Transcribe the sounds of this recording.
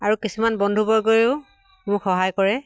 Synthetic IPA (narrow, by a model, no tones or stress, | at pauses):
aɹukisumanbɔndʱubɔjɡojʊ | mʊkxɔɦajkɔɹɛ